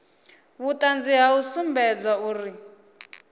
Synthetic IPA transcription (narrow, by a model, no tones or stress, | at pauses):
βutʼand͡ziɦausumbɛd͡zauːri